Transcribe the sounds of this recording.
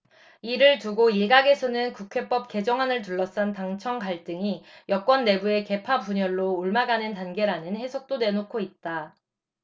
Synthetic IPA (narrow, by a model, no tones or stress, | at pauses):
iɾɯɭtuɡoiɭɡaɡe̞sʰʌnɯnkukʰe̞p͈ʌp̚k͈e̞d͡ʑʌŋɦanɯɭt̬uɭːʌs͈antaŋt͡ɕʰʌŋkaɭt͈ɯŋijʌk͈wʌnːe̞bue̞ke̞pʰapuɲʌɭːoːɭmaɡanɯntanɡe̞ɾanɯnhe̞sʰʌk̚t͈one̞nokʰoit̚t͈a